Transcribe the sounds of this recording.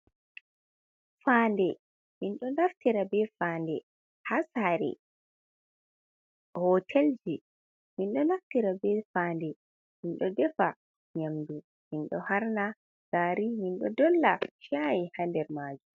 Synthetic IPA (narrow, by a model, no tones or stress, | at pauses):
faːndɛ | minɗɔnaftiɾabɛfaːndɛ | hasaɾɛ̰ | hɔtʰɛld͡ʒi | minɗɔnaftiɾabɛfaːndɛ | minɗɔdɛfa | ɲamdu | minɗɔ̰haɾna | ɡ̥aːɾiminɗɔ̰dɔlːaʃajihandɛɾmaːd͡ʒum